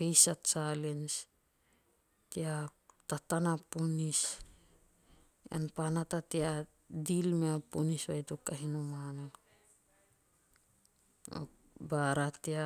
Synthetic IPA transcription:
pejsatt͡ʃalens | tiatatanapunis | a̰npanatatia | dilmeapunisβajtukːaɦinumano | o̰ | baɾatia

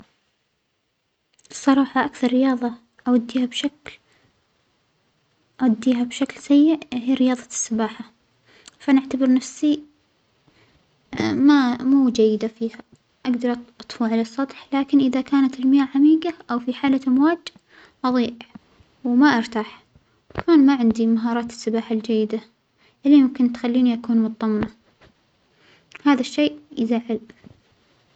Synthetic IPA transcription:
ɨsˤːɑɾˤɑːħɑʔakθɑɾˤːɪjɑːðˤɑ | ʔawad̪ːiːhabʃakl | ʔawad̪ːiːɦabʃaklsajːɪʔɦiːɾɪjɑːðˤɑsːɪbaːħa | faʔanʔaʕt̪abɪɾˤnafsi | mamuːd͡ʒajːɪd̪afiːha | ʔaɡd̪ɑɾˤʔɑt̪ˤfuʕalasˤːɑt̪ˤħlaːkɪnʔɪðakaːnat̪ɪlmɪjaːʕamiːɡaʔawfiħaːlaʔamwaːd͡ʒ | ʔɑðˤiːʔ | wmaʔɑɾt̪aːħ | kaaːnmaʕɪnd̪imaɦɑːɾˤɑːt̪ɪ̥sːɪbaːħald͡ʒajːɪd̪a | ʔɪlːimʊmkɪnt̪xalːiːniʔakuːnmʊt̪ˤːɑmːna | haːðaʃːeːʔʔzaʕɪl

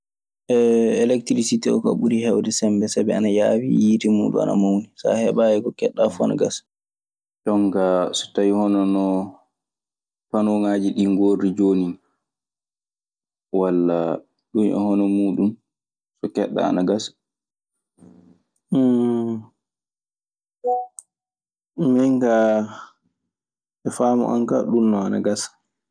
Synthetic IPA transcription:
ʔɛɛlɛktɾisitɛɔka̰ɓuɾihɛwdɛsɛmbɛsabɛanajawijitimṵːɗṵma̰na̰mawnisa̰hɛɓajɛkɔkɛɗːafuana̰ɡas | ɗɔŋɡasɔ̥tawihɔnɔnɔ | panɔŋaːd͡ʒiɗiŋɡoɾid͡ʒoːnin | walːa | ɗunʔɛ̰hɔnɔmuːɗum | sɔkɛɗːa̰a̰naɡasḁ | mɛŋɡa | ɛfamɔ̰ʔa̰ŋka̰ɗunːɔana̰ɡasḁ

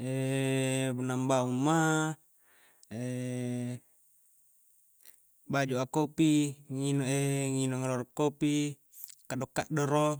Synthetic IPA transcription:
e | bunambaumːa | e | bad͡ʒuakopiŋinɔʔeŋinɔŋɾɔɾɔkːopi | kadɔkːa̰ʔdɔɾo

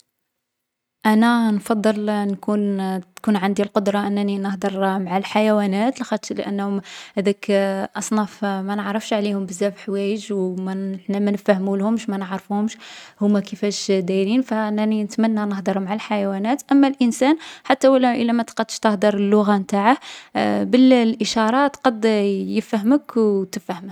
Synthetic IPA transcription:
ʔænænfɑd̪ˤːəlnkunkunʕand̪ilqod̪ɾˤɑʔənːæninəhd̪əɾˤmaʕalħajæwænæt̪lxæt̪l̰ʔə̰nːhʊmhæd̪ækʔɑsˤnɑfmænəʕɾˤəfʃʕlihʊmbəzːæfħwæjəʒwmæəħnæmænəfæhmulhʊmʃmænəʕɾfuhʊmʃhʊmækəfæʃd̪æjɾinfæʔənːæninət̪mænːænəhd̪ˤəɾˤmaʕalħajæwænæt̪ʔəmːælʔənsænħat̪ːæwəlːʔəlːæmæt̪qɑd̪ːəʃt̪əhd̪əɾˤəlːʊɣamt̪aʕahbəllʔəʃɑɾˤɑt̪qɑd̪jəfhəməkwt̪əfhəm

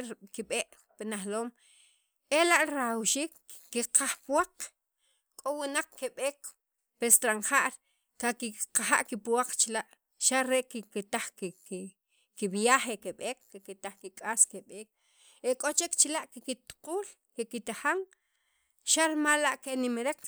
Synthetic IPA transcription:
kiɓeːʔ | pinaχloːm | elaʔɾaawʃiːkːiqʰaχpwaq | kʼowinaq͡χkeɓeːk | pest̪ɾaɴχaʔɾ | kakiqaxa̰ʔkipuwaq͡χt͡ʃlaʔ | ʃaɾeʔkiket̪aχkk | kiɓijaχeʔkeɓeːkːeket̪aχkikʼaːskeɓeːk̚ | ekʼot͡ʃekt͡ʃilaʔkekit̪qʼuːl | kekit̪axaŋ | ʃaɾmalːaʔkenimɾek

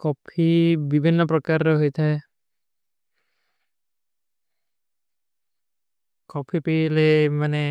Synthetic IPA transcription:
kɔpʰibibʱinːɔpɾɔkaɾːeɦojt̪ʰae | kɔpʰipilemane

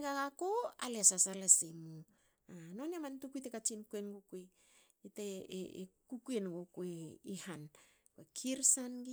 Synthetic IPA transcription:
ɡaɡakoa̰lesasalasimu | anoniamantukujtekat͡ʃinkuenɡukuej | itḛ | kukuenɡokueihan | kwekʰiɾsanɡi

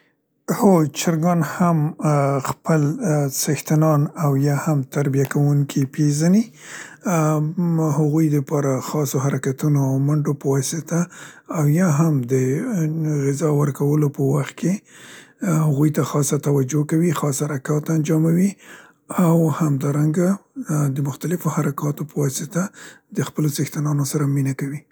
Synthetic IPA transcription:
hot͡ʃɪɾɡɑnhamxpəlsɪxt̪ɪnɑnawjɑhamt̪aɾbijakawuŋkʰipezani | haɣujd̪əpɑɾaxɑsoɦaɾakat̪unoawmaɳɖopəwɑsɪt̪aːwjɑɦamd̪ə | ɣɪzɑwəɾkawəlopəwaxt̪̚kʰe | haɣujt̪axɑsat̪awad͡ʒokawixɑshaɾakɑt̪and͡ʒɑmawi | awhamd̪ɑɾaŋɡad̪əmʊxt̪alɪfohaɾakɑt̪opəwɑsɪt̪ad̪əxpəlosɪxt̪anɑnosaɾaminakawi

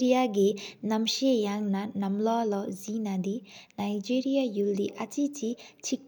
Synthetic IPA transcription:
ɾijaɡenɐmʃejaŋnanɐmlɔlɔzinad̪inajd͡ʒiɾijajulːiʔɐt͡ʃit͡ʃit͡ʃʰik

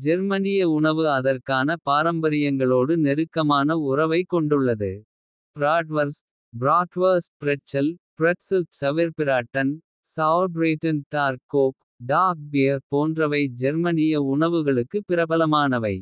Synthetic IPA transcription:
d͡ʒɛɾmɐnɪjɐʊɳɐʋɯɐðɐrkaːnɐpaːɾɐmbɐɾɪjɐŋɡɐɭoːɽɯnɛɾɯkːɐmaːnɐʊrɐʋɐɪkːɔɳɖɯɭːɐðɯ̰ | pɾaːʈʋɐɾs | bɾaːʈʋɐɾspɪɾɛʈt͡ʃɐlpɾɛʈsɪlpsɐʋɪɾpɪɾaːʈːɐn | sabɾeːʈːɐnʈaːɾkoːk | ɖaːk̚bɪjɐɾpoːndrɐʋɐɪd͡ʒɛɾmɐnɪjɐʊɳɐʋɯɣɐɭɯkːɯpːɪɾɐbɐlɐmaːnɐʋɐɪ

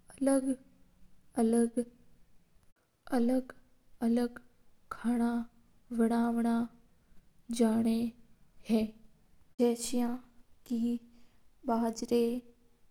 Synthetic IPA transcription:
ɐləɡ | ələɡ | ɐləɡ | ɐləɡ | kʰaːɽ̃a | ʋɪɽ̃aːʋɽ̃a | d͡ʒaːɽ̃eheː | d͡ʒɛːʃijãkiː | ɓaːd͡ʒɾe

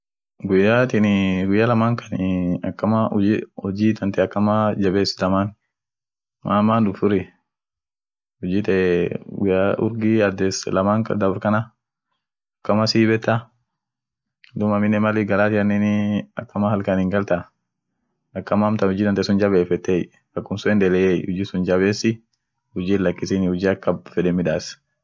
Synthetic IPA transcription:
ɡʊjaːt̪ɪnɪɡʊjːalɐmaːŋkʰɐ̥nɪɐkːɐmaʊɔd͡ʒiːt̪ɐnt̪ɛɐkːɐmad͡ʒɐbeːsd̪ɐmaːn | mʔaːmandʊfʊɾɪ | ɔd͡ʒiːt̪ɛɛɡʊjaʔʊ̰ɾɡɪɐd̪ɛslɐmaːŋkɐ̰d̪ɐbʊɾkɐnɐ | ɐkːɐmɐsiːbɛt̪ːɐ | d̪ʊmɐmɪnːɛmɐlɪɡɐlaːt̪ɪɐnːɛnɪɐ̰kːɐmahɐlkɐnɪŋɡɐlt̪a | ɐkːɐmamt̪ɐhʊd͡ʒiːd̪ɐnt̪ɛsʊnd͡ʒɐbeːfɛt̪ːej | ɐkːʊmsʊɛnd̪ɛlɛjejhʊd͡ʒiːsʊnd͡ʒɐβeːsɪ | hʊd͡ʒiːlɐkːɪsinɪhʊd͡ʒiːɐkːɐbfɛdɛmɪᶑaːs

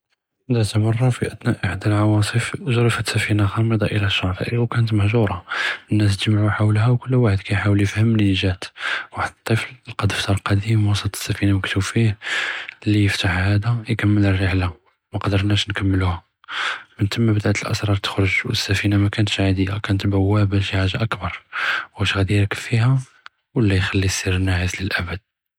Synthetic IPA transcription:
d̪ət̪əmɑrˤːɑfiʔəd̪næʔəħəd̪əlʕɑwɑsˤəfʒɾəfəsːæfinaxɑməd̪ˤɑʔəlæʃːɑʕt̪ˤə̰ʔiwkænət̪məhʒuɾˤɑənːæs̬t̪ʒmʕuħawlhæwkʊlːwaħəd̪kæjħawəljəfhəmːnəʒæt̪waħəd̪ət̪ˤːəfllqɑd̪əft̪ɑɾˤqɑd̪imwɑsˤət̪ˤə̥sːæfinawəkt̪ufih | lijəft̪aħhæd̪æjkæmːələrːəħla | mæqɑd̪əɾˤnæʃnkæmːəluhæ | mənt̪ʰəmːæbəd̪aʕt̪əlʔə̰sɾˤɑɾˤt̪ə̥xɾʊʒwəsːæfinamækænt̪ʃʕad̪əjakænət̪bəwːæbəfiħaʒːaʔəkbɑɾˤwhæʃɣæd̪ijəɾkəlfiɦæ | wəlːæjxælːisiɾnːæʕəsləlʔæbəd̪̥̚

